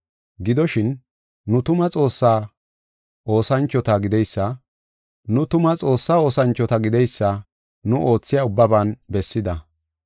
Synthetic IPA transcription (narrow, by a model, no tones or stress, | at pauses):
ɡɪd̪ɔʃɪnː | ʊt̪ʊmɐt͡sʼo̞ːsːaː | o̞ːsɐnt͡ʃːɔt̪ɐɡɪd̪ɛjsːɐ | nʊt̪ʊmɐt͡sʼo̞ːsːaːo̞ːsɐnt͡ʃːɔt̪ɐɡɪd̪ɛjsːɐ | nʊʔo̞ːt͡sːɪjaːʊbːɐbanbɛsːɪd̪ɐ